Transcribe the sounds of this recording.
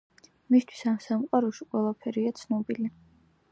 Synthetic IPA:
mist̪ʰwi̥samsamqʼwaɾɔʃiqʼwɛlˠapʰɛɾiat̪sʰnɔbili

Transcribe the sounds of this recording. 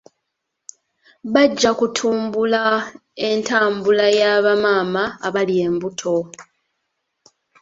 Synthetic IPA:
βaɟːakutʰuːmbula | e̞ntaːmbulajaːβamaːmaːβalie̞ːmbutʰo̞

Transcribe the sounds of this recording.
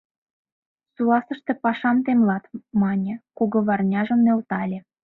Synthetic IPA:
suɑsə̆ʃt̪ĕpɑʃɑmt̪emlɑt̪mɑnʲĕkoɣŏβɑrnʲɑʒə̆mnelt̪ɑlʲĕ

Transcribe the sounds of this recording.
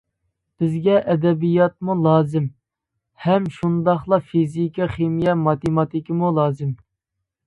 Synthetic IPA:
b̥ɪzɡʲɛʔɛd̪ɛbijɑt̪̚mulˠɑːzɪm | hɛmʃund̪ɑχlˠɑfizikʲiχemijɛmɑt̪emɑt̪ʰikʲimulˠɑːzɪm

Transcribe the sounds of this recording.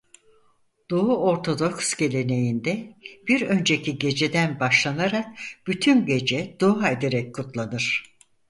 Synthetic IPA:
d̪̥ouo̞ɾt̪ʰo̞d̪o̞ksɟe̞lʲe̞ne̞jind̪ɛb̥iɾø̞nd͡ʒe̞cʰiɟe̞d͡ʒe̞d̪ænbaʃlˠanaɾak̚b̥yt̪ʰynɟe̞d͡ʒɛd̪uae̞d̪e̞ɾɛc̚kʰːut̪lˠanɯɾ̥

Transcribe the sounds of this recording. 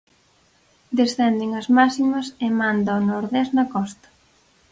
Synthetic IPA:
d̪esθɛnd̪eŋɐzmasimɐsemand̪aonoɾðɛznɐkɔst̪ɐ̥

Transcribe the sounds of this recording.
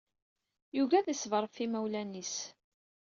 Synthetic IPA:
juvæðisvəɾˤəfθimæwlænis

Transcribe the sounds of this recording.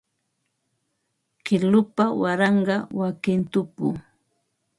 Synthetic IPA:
kɪlʊpawaɾɑɴɢɑwakɪnt̪ʊpʊ̰

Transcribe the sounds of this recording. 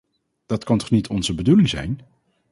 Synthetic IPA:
d̥ɑtkɑntɔχnitʰɔnzəbədulɪŋzɛ̰jn

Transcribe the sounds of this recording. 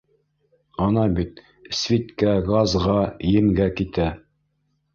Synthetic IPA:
ɑnɑbit̪ | svʲit̪kæɡɑzʁɑjɘ̆mɡækit̪æ

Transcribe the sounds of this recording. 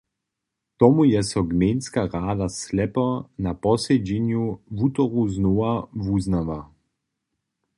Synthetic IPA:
t̪ɔmujɛsɔɡmeːnskaʁaːd̪aslɛpɔnapɔsed͡ʒinjuvut̪ɔʁuznoːavuznaʋa

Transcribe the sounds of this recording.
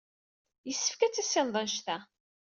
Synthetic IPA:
jəsːəfkæt͡sːæsːɪnðˤɑnʃt̪æ

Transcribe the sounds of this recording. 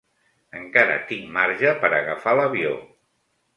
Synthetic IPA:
əŋkaɾə̰t̪iŋmaɾʒəpəɾəɣəfaləβio

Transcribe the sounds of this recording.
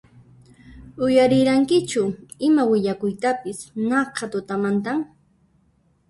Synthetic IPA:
ʊjaɾɪɾaŋkɪt͡ʃʊɪmawɪʎakʊjt̪apɪsnɑqʰɑt̪ʊt̪amant̪̬aŋ

